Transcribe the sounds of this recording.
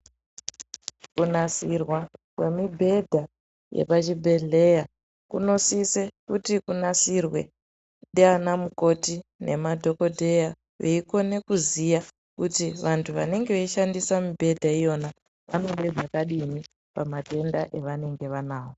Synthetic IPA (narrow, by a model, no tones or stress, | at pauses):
kunasirwakwe̞mibʱe̞dʱa | jḛpat͡ʃibʱe̞ɮe̞ja | kuno̞sisekutikunasirwe̞̰ | ɗanamuko̞tine̞̰madʱo̞ko̞dʱe̞ja | ʋḛiko̞ne̞kuzija | kutiʋantʰuʋa̰ne̞ŋɡeʋeiʃandisamibʱe̞dʱaijo̞na | ʋano̞ɓe̞d͡zakaɗini | pamate̞ndaʔe̞ʋane̞ŋɡe̞ʋanaːwo̞